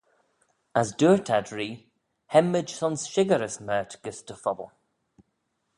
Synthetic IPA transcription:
azduːɹtʰadɹiː | hɛməd͡ʒsɔnsʃɪɡəɹəsmɛːtɡ̥ɪstəfɔbə̰lˠ

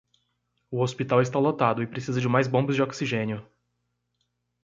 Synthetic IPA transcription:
ʊospit̪awɪst̪alot̪ad̪ʊɪpɾesizɐd͡ʒɪmajzbõbɐzd͡ʒɪoksiʒẽnjʊ

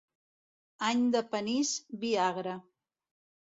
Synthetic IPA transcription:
aɲd̪apanisbiaɣɾa

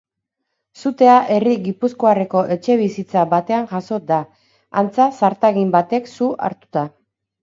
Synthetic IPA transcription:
sut̪e̞aʔe̞riɣipusko̞are̞ko̞ʔe̞t͡ʃe̞β̞isit͡saβat̪e̞aŋʝaso̞d̪a | ant͡sasaɾt̪aɣimbat̪e̞ksua̰ɾt̪u̥t̪a

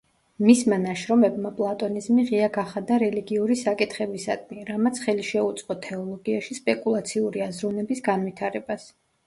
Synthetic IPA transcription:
mismanaʃɾɔmɛbmapʼlˠat̪ʼɔnizmiʁiaɡaχad̪aɾɛliɡiuɾisakʼit̪ʰχɛbisa̰d̪miɾamat̪sʰχɛliʃɛut̪sʼqʼɔt̪ʰɛɔlˠɔɡiaʃispʼɛkʼulˠat̪sʰiuɾiazɾunɛbisɡanvit̪ʰaɾɛbas

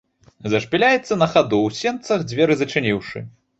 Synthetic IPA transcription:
zɐʂpʲilʲajɛt̪sːɐnɐxad̪uwsʲɛnt̪sɐɣd͡zʲvʲɛɾɨzɐt͡ʂɨnʲiwʂɨ̰

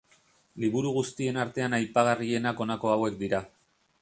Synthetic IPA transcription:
liβuɾuɣust̪ie̞naɾt̪e̞anajpaɣ̞arie̞nako̞nako̞awe̞kd̪iɾa

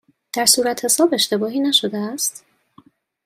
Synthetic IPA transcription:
d̪̥æɾsuːɾæt̪ʰhe̞sɒːbe̞ʃt̪e̞bɒːɦiːnæʃo̞d̪eæst̪

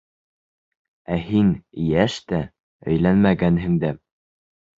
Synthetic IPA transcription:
æɦinjæʃt̪æ | ɵ̰̆jlænmæɡænɦɘ̆ŋd̪æ

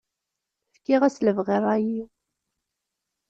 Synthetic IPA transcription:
fkiʁæsləvʁirˤæji

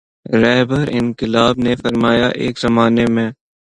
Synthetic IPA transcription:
ɾɛːbəɾɪ̰nkɪlaːbnefɐɾmaːjaʔḛːkzɐmaːnemẽː

